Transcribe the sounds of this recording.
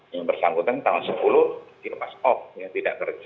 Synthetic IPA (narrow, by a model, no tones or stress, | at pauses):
jaŋbərsaŋɡut̪ant̪aɦʊnsəpulʊhiapasɔf̚jaŋt̪ida̰ʔkərd͡ʒ